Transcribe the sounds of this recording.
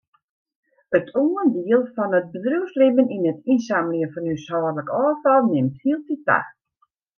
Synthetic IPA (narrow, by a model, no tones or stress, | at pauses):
ətʰuəndiəlˠfɔnət̚bədruwslɪbəninətinsaməljəfɔnysɔːrləkɔːfɔlˠnɪmthiəlˠtita̰x